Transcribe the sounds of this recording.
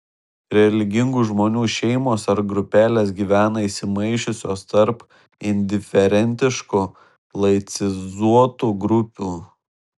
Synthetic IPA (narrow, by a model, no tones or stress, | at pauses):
ɾʲɛlʲɪɡʲɪŋɡuʒmoːnʲuːʃʲɛɪmoːsɐɾɡɾʊpʲæːlʲeːsɡʲiːʋʲæːnɐisʲɪmɐɪʃʲʊsʲoːst̪ɐɾp | ɪnʲd̪ʲɪfʲɛɾʲɛnʲt̪ʲɪʃkʊ | lˠɐɪt̪sʲɪzuɔt̪uːɡɾʊpʲuː